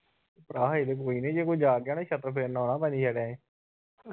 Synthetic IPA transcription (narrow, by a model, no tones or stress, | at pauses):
pɾaːɦeːd̪eːk̬oːiːnẽːd͡ʒeːkoːid͡ʒaːɡjaːneʃət̪ɾpʰeːnoːnãːpɛːniːʃɛɽãːẽː